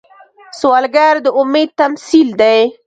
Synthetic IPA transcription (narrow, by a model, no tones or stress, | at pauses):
swɑlɡaɾd̪əʊmed̪̚t̪amsild̪aj